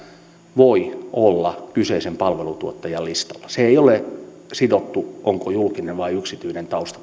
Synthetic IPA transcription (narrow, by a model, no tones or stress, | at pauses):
ʋoiolːɑkyseisempɑlʋelut̪uot̪ːɑjɑlist̪ɑ̥lːɑseeiole | sidot̪ːuʔoŋkojulkinenʋɑiyksit̪yinent̪ɑust̪ɑ̥